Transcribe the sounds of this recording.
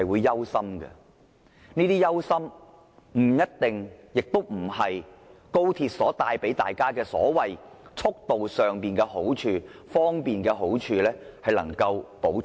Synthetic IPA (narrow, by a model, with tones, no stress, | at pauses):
hɐ˨jwuː˨˧jːɐ˥wsɐ˥mɡɐ̰˧ | niː˥t̪iː˥jɐ˥wsɐ˥m | m̩˨˩jɐ˥t̚t̪ɪ˨ŋjɪ˨k̚t̪o˥wm̩˨˩hɐ˨jko˥wt̪ʰiː˧t̚sɔː˨˥t̪aː˧jpe˨˥jt̪a̰ː˨˩jkaː˥kɛː˧sɔ̰ː˨˥wɐ˨jt͡ʃʰʊ˥k̚t̪o˨wsœː˨ŋpiː˨nkɛː˧ho˨˥wt͡ʃʰyː˧fɔː˥ŋpiː˨nkɛː˧ɦo˨˥wt͡ʃʰyː˧lɛː˥hɐ˨jlɐ˨˩ŋkɐ˧wpo˨˥w